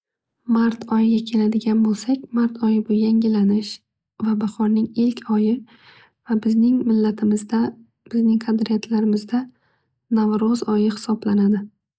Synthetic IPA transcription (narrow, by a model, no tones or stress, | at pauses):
maɾt̪ʰɒjɪɡʲakʲʰe̞lad̪ɪɡʲanbolˠsakʲmaɾt̪ʰɒjɪbʊjaŋɪlanɪʃ | vabaχɒɾnɪŋɪlkʲʰɒjɪ | vabɪznɪŋmɪlːat̪ʰɪmɪzd̪a | b̥ɪznɪŋqʰɑd̪ɾijat̪ʰlaɾɪmɪzd̪a | navɾɒzɒjɪhɪ̥sɒblanad̪ɪ